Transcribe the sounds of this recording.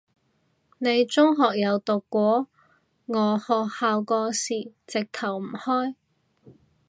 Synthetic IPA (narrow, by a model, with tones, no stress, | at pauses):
ne˨˧jt͡sʊ˥ŋɦɔː˨k̚jɐ˨˧wt̪ʊ˨kːʷɔː˨˥ | ŋɔː˨˧hɔː˨haː˨wkɔː˧siː˨˩t͡sɪ˨k̚t̪ʰɐ˨˩wm̩˨˩hɔː˥j